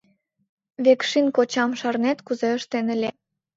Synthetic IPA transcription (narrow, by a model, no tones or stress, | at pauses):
βekʃinkot͡ɕɑmʃɑrnet̪kuzeəʃt̪enə̆lʲe